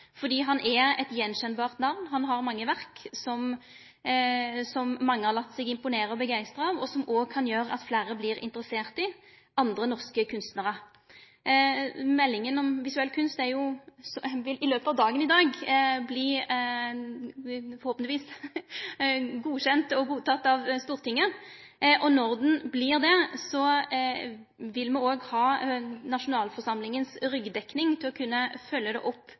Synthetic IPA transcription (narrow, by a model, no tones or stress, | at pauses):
fɔd̪iːɦɑnʔɛɛt̪jɛnɕɛnbɑːʁt̪nɑʋnɦɑnɦɑʁmɑŋːəʋæʁksɔm | sɔmːɑŋːəhɑʁlɑt̪ːsɛɡɪmpʊneːɾəɔbəɡæɪst̪ɾɑɑʋɔsɔmʔoːɡ̚kʰɑnjøːɾəɑ̰t̪flæːɾəbliːɾɪ̰nt̪əɾəseːʁt̪ɪ | ɑnd̪ʁənɔʁskəkʰʉnst̪nəʁə | mɛlːɪŋənɔmʋɪsʉɛlːkʰʉnst̪æɾjʊsʋɪɪløːpəɑʋd̪ɑːɡənɪd̪ɑːɡblɪ | fɔʁhoːpənʋiːs | ɡuːɕɛnt̪ɔɡuːt̪ʰɑt̪ːɑʋst̪uːʁt̪ʰɪŋːə | ʔɔnɔʁd̪n̩blɪʁd̪ɛsɔ | ʋɪlmɛoːɡhɑːnɑʂʊnɑːlfɔʁʂɑmlɪŋənsɾʏɡd̪ɛknɪŋt̪ʰɪlɔkʰʉnːəfœlːəd̪ɛ̰ʔɔpː